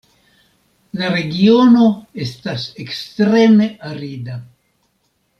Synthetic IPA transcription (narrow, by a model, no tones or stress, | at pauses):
laɾe̞ɡio̞no̞estasekstɾe̞me̞aɾida